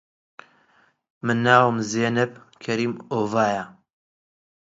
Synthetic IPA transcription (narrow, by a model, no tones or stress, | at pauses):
mɨnːaːwɨmzeːnɨp̚ | kʰɐɾiːmoːvaːja